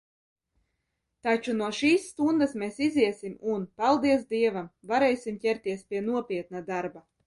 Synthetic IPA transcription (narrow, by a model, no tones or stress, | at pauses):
t̪at͡ʃunuɔʃiːsːt̪und̪asmesiziɛsimunpalˠd̪iɛs̬d̪iɛvamvaɾɛjsʲimcʲɛɾt̪iɛspʲiɛnuɔpʲiɛt̪nad̪aɾba